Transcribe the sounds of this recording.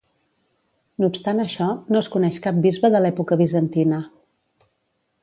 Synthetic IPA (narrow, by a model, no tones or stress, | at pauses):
nupst̪anəʃɔnoəskunɛʃkap̚bizβəðəlɛpukəβizənt̪inə